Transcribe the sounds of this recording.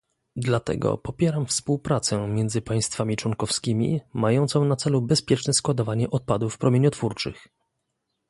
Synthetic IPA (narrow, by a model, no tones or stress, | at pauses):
d̪lat̪ɛ̰ɡɔ̰pɔpʲjɛɾamfspuwpɾat̪sɛmʲjɛnzɘpaj̃st̪famʲit͡ʂwɔŋkɔfskʲimʲḭmajɔnt̪sɔ̃w̃nat̪sɛlubɛspʲjɛt͡ʂnɛskwad̪ɔvaɲɛʔɔt̪̚pad̪ufpɾʔɔmʲjeɲɔt̪fuɾt͡ʂɘ̰x